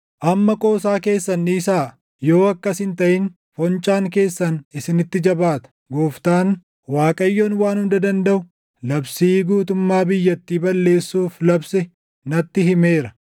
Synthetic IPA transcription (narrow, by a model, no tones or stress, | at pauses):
ʔɐmːɐkʼo̞ːsaːke̞ːsːɐnːiːsaː | jo̞ːɐkːɐsɪnt̪ɐʔɪn | fɔnt͡ʃʼaːŋk̬e̞ːsːɐnɪsɪnɪt̪ːɪd͡ʒɐbaːt̪ɐ̥ɡoːft̪aːn | waːkʼɐjːoːnwaːnhʊnd̪ɐd̪ɐnd̪ɐʔʊ | lɐbsiːɡuːt̪ʊmːaːbɪjːɐt̪ːiːbɐlːe̞ːsːuːflɐbsɛ | nɐt̪ːɪɦɪmeːɾɐ̥